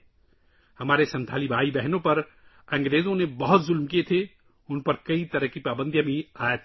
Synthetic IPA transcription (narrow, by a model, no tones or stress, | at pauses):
hɐmaːɾesɐ̃nt̪ʰaːlibʱaːibɛɦnõpɐɾ | ɐ̃ŋɡɾeːzõnebɐɦʊt̪zʊlmkiet̪ʰe | ʊnpɐɾkɐit̪ɐɾəɦkipaːbə̃nd̪ʱjãbʱĩaːet̪ʰ